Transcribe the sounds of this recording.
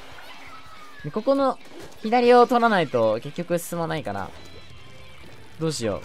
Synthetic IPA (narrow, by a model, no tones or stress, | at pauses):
neko̞ko̞no̞ | çid̪aɾʲio̞t̪o̞ɾanait̪o̞ke̞kʲːo̞kɯ̟sɨ̥sɨmanaikaɾa̰ | d̪o̞ːɕijo̞̰